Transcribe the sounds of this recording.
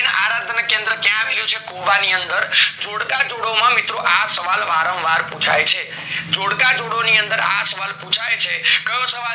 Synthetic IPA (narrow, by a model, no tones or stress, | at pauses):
na̰ɾãnd̪ʱnakẽnd̪ɾəkjãaʋiljũt͡ʃʰekoʋaniənd̪əɾd͡ʒoɽkad͡ʒoɽomãmɪt̪ɾoʔasəʋalʋaɾə̃ʋʋaɾpũt͡ʃʰajt͡ʃʰe | d͡ʒoɽkad͡ʒoɽoniənd̪əɾa̰səʋalpũt͡ʃʰajt͡ʃʰekəjõsəʋa